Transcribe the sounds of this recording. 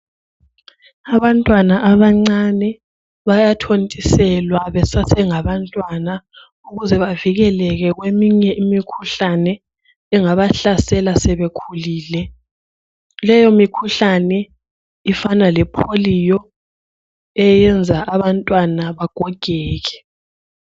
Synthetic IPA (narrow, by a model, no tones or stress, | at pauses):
aβantʼwanaʔaβaŋ͡ǀanɛ | βajatʰontʼisɛlwaβɛsasɛŋaβantʼwana | uɣuzɛβaviɣɛlɛɣɛɣwemiɲɛʔimikʰuɬanɛ | ɛŋaβaɬasɛlasɛβekʰuliːlɛ | lɛjɔmikʰuɬanɛ | ifanalɛpʰolijɔ | ɛjɛnd͡zʱaʔaβantʼwanaβaɡ̥ʱɔɡ̥ʱɛːɣɛ̥